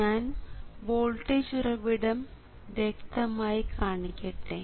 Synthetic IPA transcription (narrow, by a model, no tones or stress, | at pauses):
aːnboːlʈːeɕurɐʋiɽɐm | ʋjekt̪ɐmaːjikʰaːɳikʲːɐʈːe